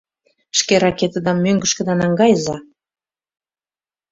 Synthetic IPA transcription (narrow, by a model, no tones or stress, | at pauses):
ʃkeɾɑket̪əd̪ɑmːøŋɡə̆ʃkə̆d̪ɑnɑŋɡɑjzɑ